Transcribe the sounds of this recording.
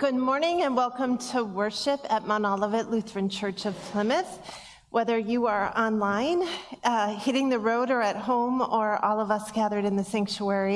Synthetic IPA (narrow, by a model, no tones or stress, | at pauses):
ɡ̥ʊd̚mɔɹnɪ̃ŋɨ̃nwɛlˠkə̃mtʰəwɜ˞ʃɨpɨt̚mɑnɑlˠəvɨʔˡlʉθɹɨ̃nt͡ʃʰɜ˞t͡ʃʌv̥pʰl̥ɪ̃mɨθ | wʔɛðə˞jɨə˞ʔɑ̃nlãɪ̃n | hɪɾɪ̃ŋðɨɹoʊɾə˞ɨt̚hõʊ̃mə˞ʔɔlˠʌvʌsɡ̥æðə˞ɾɨ̃nðɨsæ̃ŋk̚t͡ʃuɛɹi